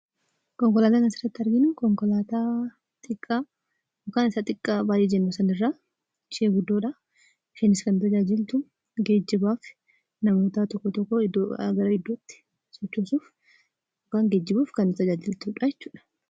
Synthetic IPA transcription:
kɔŋkɔlaːt̪aːkɐnsɪrːɐt̪ːɐɾɡɪnʊkɔŋkɔlaːt̪aː | t̪ʼɪkʼːaː | jɔkaːnɪsaːt̪ʼɪkʼːaːbaːjiːd͡ʒɛnːosɐnɪrːaː | ʃeːɡʊd̪ːoːᶑaː | ɪʃɛnɪskɐnːʊt̪ɐd͡ʒaːd͡ʒɪlt̪ʊ | ɡeːd͡ʒːɪbaːf | nɐmo̞ːt̪at̪ɔkːɔt̪ɔkːoɪd̪oɐ̰ɡɐɾɐɪd̪ːoːt̪ːɪ̥ | sɔt͡ʃːoːsuːf | jɔkaːŋɡeːd͡ʒːɪbuːfkɐnːʊt̪ɐd͡ʒaːd͡ʒɪlt̪ʊᶑaːjɛt͡ʃːu̥ːᶑɐ̥

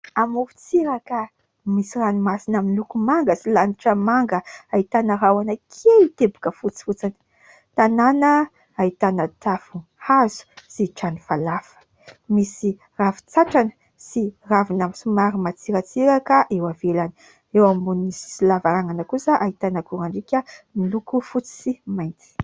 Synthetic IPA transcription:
amufu̥t͡siɾakə | misiranimasinaminlukumaŋɡəsilaniʈ͡ʂəmaŋɡəait̪anəɾawanəkʰelit̪ebu̥kəfut͡si̥fut͡sinə | t̪ananə | ait̪anət̪afu | hazu̥siʈ͡ʂanifalafə̥ | misi | rafu̥t͡saʈ͡ʂanə | siravinamisumaɾimat͡siɾat͡siɾakəʔewavelani | ewambunisi̥silavaɾaŋanəkusaʔait̪anakuɾaɳɖ͡ʐikʲəmilukufut͡si̥simajnt͡s̪i̥

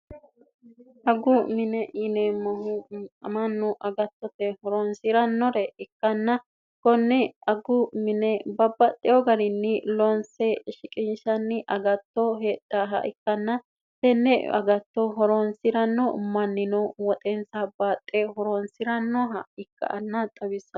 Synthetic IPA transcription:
ʔɐɡʊmɪnɛʔɪnɛmɐhʊmɐnːʊʔɐɡɐt̪ːɔt̪ɛhɔɾɔnsɪɾɐnːɔɾɛɪkːɐnːɐ | kɔnːɛɐɡʊmɪnɛbɐbːɐt̪ʼːɪjɔɡɐɾɪnːɪlɔnsɛʃɪkʼɪnʃɐnːɪʔɐɡɐt̪ːɔɦeːt̪ːaɦɐ̰ʔɪ̰kːɐnːɐ | t̪ɛnːɛʔɐ̰ɡɐt̪ːɔɦɔɾɔnsɪɾɐnːɔmɐnːɪnɔwɔt̪ʼɛnsabaːt̪ʼːɛɦɔɾɔnsɪɾɐnːɔɦɐɪkːɐ̰ʔɐnːɐt̪ʼɐwɪsːɐ

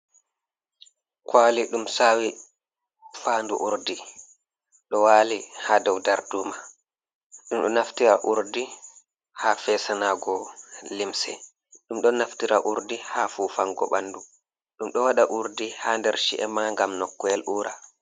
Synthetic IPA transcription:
kʰwaːliɗumsawi | faːndṵʔuɾdi | ɗɔwaːlihaːdɔwdaɾduma | ɗumɗɔnaftiɾaʔuɾdi | haːfɛːsanaːɡɔlimsɛ̰ | ɗumɗɔnaftiɾaʔuɾdihaːfuːfaŋɡɔ̰ɓandu | ɗumɗɔwaɗaʔuɾdihaːndɛɾʃḭʔɛmaŋɡamnɔkːɔɛlʔuːɾa

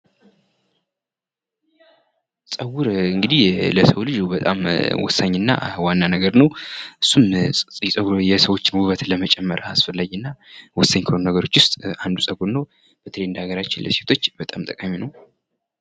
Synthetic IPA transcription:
sʼəwuɾɨŋɡɨd̪ihləsəwlɨd͡ʒubət̪ʼa̰mwɔ̰saɲːɨnːa̰wanːanəɡəɾnəwʔɨsːumʼsʼəjɛsəwo̞t͡ʃːɪnwuβət̪ləmət͡ʃʼɛmːəɾasfəlːaɡnːawɔsːaɲkʰəonunəɡəɾo̞t͡ʃːwʊst̪ʼand̪usʼəɡuɾnəw | b̥ət̪ʰəlend̪aɡəɾat͡ʃːɪnlə̰set̪ʰo̞t͡ʃːbət̪ʼamt̪ʼəkʼaminəw

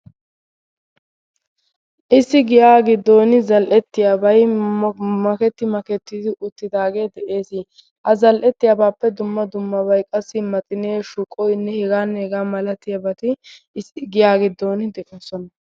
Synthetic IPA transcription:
ʔɪsːɪɡɪjaːɡɪd̪ːoːnɪzɐlʔɛt̪ːɪjaːbɐj | mɐkɛt̪ːɪmɐkɛt̪ːɪd̪ɪʔʊt̪ːɪd̪aːɡe̞ːd̪ɛʔe̞ːsɪ | hɐzɐlʔɛt̪ːɪjabaːpːɛd̪ʊmːɐd̪ʊmːɐbɐjkʼɐsːɪmɐt̪ʼɪneːʃʊkʼːɔjnːɛhɛɡaːnːeɡaːmɐlɐt̪ɪjɐbɐt̪ɪ | sɪɡɪjaːɡɪd̪ːoːnɪd̪ɛʔɛsɔnɐ

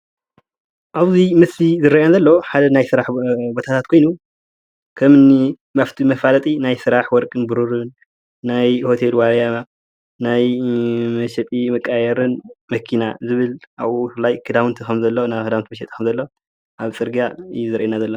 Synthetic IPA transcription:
ʔaβzimɨsizɨɾaʔnazɐlːoħad̪ɐnajsɨɾaħbot̪ʰat̪ʰat̪̚kʰo̞jnu | kʰɐmɨni | maft̪ʰimɐfalɐt̪ʼinajsɨɾaħwɔɾkʼɨnbɨɾuɾɨnː | ajho̞t̪ʰelwaɾja | najmɐʃɛt̪ʼimɐkʼːajɛɾɨnmɐkʰinazɨβɨlʔaβufɨlːajkʰɨd̪awnt̪ʰikʰɐmzɐlːonajkʰɨd̪awnt̪mɐʃ̬ɛt̪ʼi̥kʰɐmzɐlːo | ʔaβt͡sʼɨɾɡaɨjːuzɨɾʔenazɐlːo

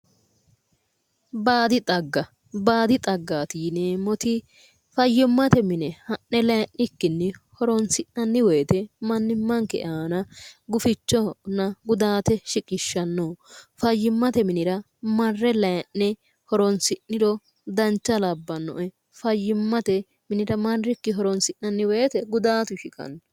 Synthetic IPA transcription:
baːd̪ɪt̪ʼɐɡːɐ | baːd̪ɪt̪ʼɐɡːaːt̪iːnemɔt̪ɪ | fɐjːɪmːɐt̪ɛmɪnɛhɐnːɛlɐjnːɪkːɪnːɛhɔɾɔnsɪʔɐnːɪweːt̪ɛmɐnːɪmːɐŋkɛ̰ʔaːnɐɡʊfɪt͡ʃːɔnːɐɡʊd̪aːt̪ɛʃɪkʼɪʃːɐnːofɐjːɪmːɐt̪ɛmɪnɪɾɐ | mɐrːɛlɐjɐnːɛ | hɔɾɔnsɪnːɪɾɔ | d̪ɐnt͡ʃːɐlɐbːɐnːɔ̰ʔɛ | fɐjːɪmːɐt̪ɛ | mɪnɪɾɐmɐrːɪkːɪɦɔɾɔnsɪnːɐnːɪweːt̪ɛɡʊd̪aːt̪ʊʃɪkʼɐ̰n

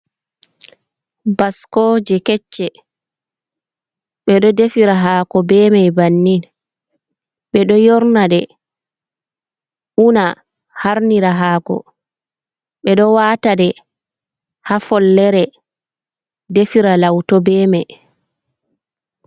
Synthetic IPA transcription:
baskɔd͡ʒɛkɛt͡ʃːɛ | ɓɛɗɔdefiɾaɦaːkɔbɛːmajbanːin | ɓɛɗɔjɔɾnadɛ | ʔuna | haɾniɾaɦaːkɔ̰ | ɓɛɗɔwaːtadɛ | hafɔlːɛɾɛ | defiɾalawtɔbɛːmɛj

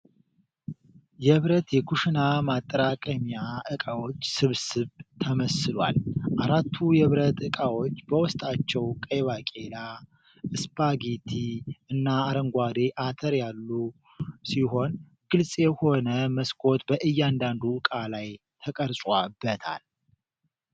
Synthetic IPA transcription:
jɛβɾət̪jɛkʰuʃinamat̪ʼːəɾakʼəmijaʔɨkʼawo̞t͡ʃːsɨβsɨβt̪ʰəməsɨlwa̰lʔaɾat̪ʰːujɛβɾət̪ɨkʼawo̞t͡ʃːbəwʊst̪ʼat͡ʃːɛwkʼəjβakʼela | ʔɨspʰʼaɡit̪ʰiɨnːaːɾəŋɡʷad̪e̞ʔat̪ʰəɾjalːu | siɦo̞n | ɡ̥ɨlsʼjɛho̞nəməskʰʼo̞t̪bəʔɨjːand̪and̪ukʼalaj | t̪ʰəkʼəɾsʼwabːət̪ʰa̰l

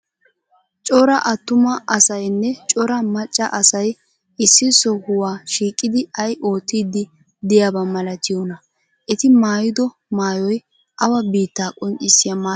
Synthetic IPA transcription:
t͡ʃʼɔɾɐʔɐt̪ːʊmɐʔɐsɐjnːɛt͡ʃʼɔɾɐmɐt͡ʃʼːɐ̰ʔɐsɐj | ɪsːɪsɔhʊwaːʃiːkʼːɪd̪ɪɐjʔo̞ːt̪ːiːd̪ːɪ | d̪ɪjabɐmɐlɐt̪ɪjɔnɐ | ʔɛt̪ɪmaːjɪd̪ɔ | maːjɔj | ʔɐwɐbiːt̪ːaːkʼɔnt͡ʃʼːɪsːɪjamaː

